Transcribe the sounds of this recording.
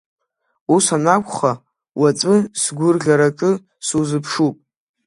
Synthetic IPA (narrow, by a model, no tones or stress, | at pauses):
usanakʷʰʼχa | wat͡sʷʼɨsɡʷʊrɮʲaɾakʼɨ | suzɨpʰʂupʼ